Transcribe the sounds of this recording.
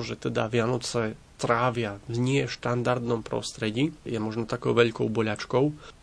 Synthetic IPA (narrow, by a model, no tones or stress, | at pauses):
ʒɛt̪ɛd̪a̰ʋɪanɔt͡sɛ | t̪ɾaːʋɪavɲɪɛʃt̪and̪aɾd̪nɔmpɾɔ̰st̪ɾɛɟijɛmɔʒnɔt̪akɔʊʋɛʎkɔʊbɔʎat͡ʃkɔʊ